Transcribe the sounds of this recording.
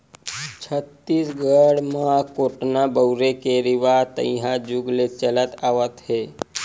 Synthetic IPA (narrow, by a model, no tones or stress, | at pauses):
t͡ɕʰət̪ːiːsɡəɽmaakoʈnabəwɾekeɾiʋat̪ə̰̃jɦad͡ʒuɡlet͡ʃəlat̪aʋət̪he